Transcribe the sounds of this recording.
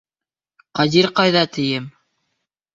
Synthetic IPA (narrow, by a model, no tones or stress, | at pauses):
qɑziɾqɑjðɑt̪ʰɘ̆jɘm